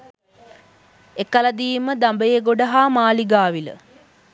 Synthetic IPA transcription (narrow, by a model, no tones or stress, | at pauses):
ekəlɐd̪iːməd̪ambəjeɡoɖaɦaːmaːliɡaːʋilə̰